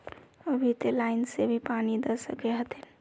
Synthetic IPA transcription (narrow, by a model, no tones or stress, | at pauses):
əbʱit̪elaɪnsebʱipanid̪əsəkeɦət̪ʰin